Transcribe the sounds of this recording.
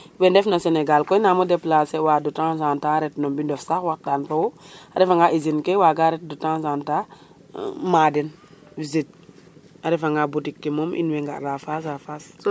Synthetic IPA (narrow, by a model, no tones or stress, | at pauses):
wɛndɛfnasenɛɡalkɔjnaːmɔdɛplasɛwaːdɔtãs̬antaɾɛtnɔmbindɔfsaxwak̚daːnfowɔaɾɛfaŋɡaʔizinkɛwaɡaɾɛt̚dutãsanta | madɛn | vizit̚ | aɾɛfaŋɡabutikːemɔmʔḭnwɛŋɡa̰ʔɾafas̬afas